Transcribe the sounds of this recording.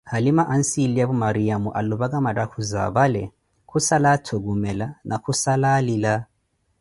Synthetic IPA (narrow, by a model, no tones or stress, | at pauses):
halimaʔan̩siliaβumaɾiamuʔaluβakamadakʰuza̰βalɛ̰ | kʰusalatʰoɡumɛlanʔakʰusalalila